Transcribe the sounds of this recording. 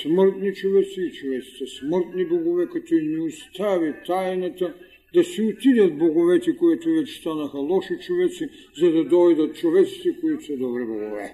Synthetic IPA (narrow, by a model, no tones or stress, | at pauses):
sməɾt̪nit͡ʃovɛt̪siːt͡ʃovɛt̪si̥t̪ɛsməɾt̪niboɡovɛkat̪ɔinɛust̪avit̪ajnat̪a | d̪asiut̪id̪at̪̚boɡovɛt̪ɛkoɛt̪ovɛt͡ʃɛ̥st̪anaxɐlˠɔʃit͡ʃovɛt̪si | zad̪ad̪ɔjd̪at̪̚t͡ʃovɛt̪si̥t̪ɛkoit̪osɛd̪ɔbɾɛboɡovɛ̰